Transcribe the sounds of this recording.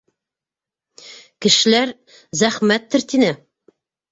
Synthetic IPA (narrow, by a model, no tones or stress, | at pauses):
kɘ̆ʃɘ̆læɾ | zæχmæt̪ːɘ̆ɾt̪inɘ